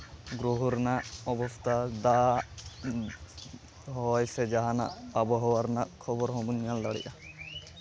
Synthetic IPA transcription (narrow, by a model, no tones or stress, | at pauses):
ɡɾuɦɔɾnaʔɔbɔst̪ad̪a | ɦɔjsed͡ʒaɦana̰ʔabɔɦɔwaɾnaʔkʰɔbɔɾɦɔmunjald̪aɽḭʔa